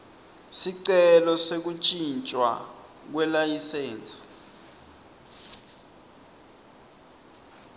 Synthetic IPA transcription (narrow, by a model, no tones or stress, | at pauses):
siǀɛlɔsek̬ut͡ʃʼint͡ʃʼwa̰ | k̬wɛlajiseːnsʼi̥